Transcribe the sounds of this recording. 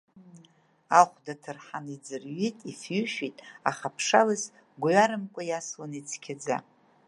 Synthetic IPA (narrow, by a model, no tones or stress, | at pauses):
aχʷdatʰɨrħanid͡zɨrɥitʼifjʏʃitʼaχapʰʂalɨs | ɡʷɥaɾɨmkʷʼajaslonit͡sʰkʲʰad͡za̰